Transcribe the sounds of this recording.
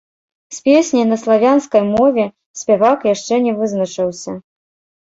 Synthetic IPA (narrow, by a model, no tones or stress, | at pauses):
sʲpʲesʲnʲijnɐslˠavʲanskɐjmɔvʲɛ | sʲpʲɛvakjaʂt͡ʂɛnʲɛvɨznɐt͡ʂɨwsʲɐ